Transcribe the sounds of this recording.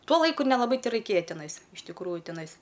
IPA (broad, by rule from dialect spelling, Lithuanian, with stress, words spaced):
ˈtuɔ ˈlˠɐɪkʊ nʲɛlˠɐˈbɐɪ tʲɛrɐɪˈkʲeːjɛ tʲɪˈnɐɪs ɪʃ tʲɪkˈruːjʊ tʲɪˈnɐɪs